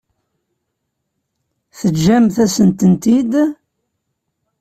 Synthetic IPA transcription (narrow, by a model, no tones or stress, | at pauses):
θəd͡ʒːæmθæsənt̪ənt̪id̪